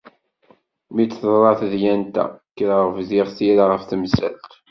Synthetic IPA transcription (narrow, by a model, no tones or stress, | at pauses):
mit͡sθˤɾˤɑθðjænt̪æ̰kːɾaʁəfðiʁθiɾaʁəfθəmsæ̰lt̪